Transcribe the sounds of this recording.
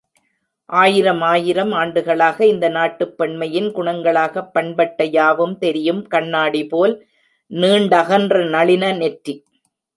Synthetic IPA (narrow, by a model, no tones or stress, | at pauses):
ʔaːjɪɾɐmaːjɪɾɐmaːɳɖɯɣɐɭaːɣɐɪnd̪ɐnaːʈːɯpːɛɳmɐjɪnkʊɳɐŋɡɐɭaːɣɐpːɐɳbɐʈːɐjaːʋɯmt̪ɛɾɪjɯmkɐɳːaːɽipoːl | niːɳɖɐɣɐndrɐnɐɭɪnɐnɛʈri